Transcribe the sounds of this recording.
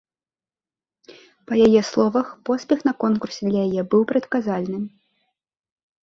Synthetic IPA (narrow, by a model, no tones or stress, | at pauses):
pɐjajɛslˠɔvɐxpɔsʲpʲɛxnɐkɔnkursʲɛd̪lʲɐjajɛbɨwpɾɐt̪kazalʲnɨ